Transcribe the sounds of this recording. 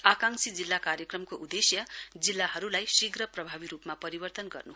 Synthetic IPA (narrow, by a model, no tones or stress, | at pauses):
akaŋsid͡zilːakaɾjʌkrʌmkoʔud̪esjʌd͡zilːaɦʌɾulajsiɡrʌprʌbʱabiɾupmapʌɾibʌrt̪ʌnɡʌ̰rnu